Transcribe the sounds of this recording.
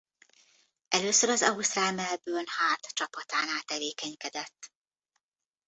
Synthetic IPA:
ɛløːsøɾɒzɒust̪raːmɛlbøːlhaːt̪t͡ʃɒpɒt̪aːnaːt̪ɛveːkɛɲkɛd̪ɛt̪ː

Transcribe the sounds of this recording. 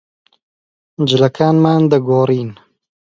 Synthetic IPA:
d͡ʒɪlɐkʰaːnmaːnd̪ɐɡoːɾiːn

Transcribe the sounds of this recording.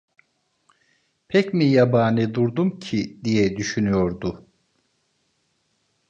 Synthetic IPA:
pʰɛcmijabaːnɯd̪uɾd̪umcʰid̪ijɛd̪yʃynyjo̞ɾd̪u

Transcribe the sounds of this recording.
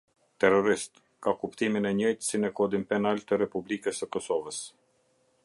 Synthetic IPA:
t̪ɛrɔɾist̪ | kakupt̪iminɛɲɔjt̪ə̥sinɛkɔd̪inpɛnalt̪əɾɛpublikəsəkɔsɔvəs

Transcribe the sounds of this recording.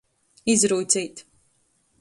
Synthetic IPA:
izɾuːt̪siːt̪

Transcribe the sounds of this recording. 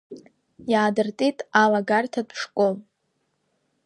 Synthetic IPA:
jaːdɨrtʼitʼalaɡartʰadʂkʷʼol

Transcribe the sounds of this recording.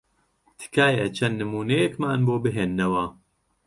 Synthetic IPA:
t̪ʰɨ̥kʰaːjɛt͡ʃʰɐnːɨmuːnejɛkmaːnboːbɨɦeːnːɐwɐ

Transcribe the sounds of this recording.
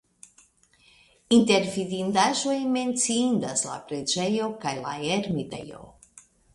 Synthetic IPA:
int̪eɾviðind̪aʒwejmẽnt̪sind̪asla̰pɾed͡ʒejokajla̰eɾmit̪ḛjo̰

